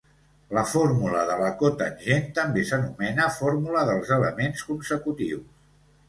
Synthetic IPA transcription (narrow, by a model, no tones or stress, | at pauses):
ləfoɾmuləðələkot̪ənʲʒent̪əmbesənumɛnəfoɾmuləðəlˠzələmenskunsəkut̪iws